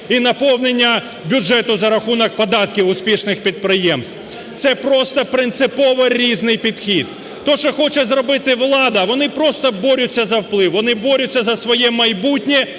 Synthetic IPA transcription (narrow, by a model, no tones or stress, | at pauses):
inɐpɔwnenʲːɐ | bʲʊd͡ʒɛt̪ʊzɐɾɐxunɐk̚pɐd̪ɑt̪kʲɪʊspʲiʃnɪxpʲid̪̚pɾɪjɛmst̪w | t̪sɛpɾɔst̪ɐpɾɪnt̪sɪpɔʋɐɾʲiznɪjpʲid̪xʲid̪̥ | t̪ɔʃt͡ʃɔxɔt͡ʃɛzrɔbɪt̪ɪʋlˠɑd̪ɐʋɔnɪpɾɔst̪ɐbɔɾʲʊt͡sʲːɐzɐwplˠɪwʋɔnɪbɔɾʲʊt͡sʲːɐzɐsʋɔjɛmɐjbutʲnʲɛ